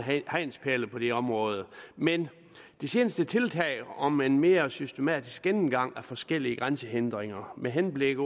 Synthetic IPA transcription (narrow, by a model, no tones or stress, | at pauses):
hæɪnspʰæɐləpʰɒ̽d̥e̝ɒ̽mʁɔ̽ːð̞ˠəmen | d̥ese̝ːnəsd̥ət͡sʰe̝lt͡sʰɛ̰ɪ̰ɒ̽menme̝ːɐsysd̥e̝mɛ̰ːd̥isɡ̥enn̩ɡ̥ɑ̈ŋ̰æfɒ̽sɡ̥el̰iəɡ̥ʁansəɦend̥ʁeŋɐmeɦenb̥leɡ̥